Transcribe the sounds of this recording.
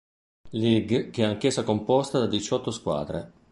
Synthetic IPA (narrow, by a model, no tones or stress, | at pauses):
liɡkeɛaŋk̟esːakompɔst̪ad̪ad̪it͡ʃɔt̪ːoskwa̰ːd̪ɾḛ